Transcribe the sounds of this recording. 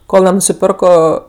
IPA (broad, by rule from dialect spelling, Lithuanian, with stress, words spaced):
ˈkoːlˠ nʲɛnʊsʲɪˈpʲɛrkoː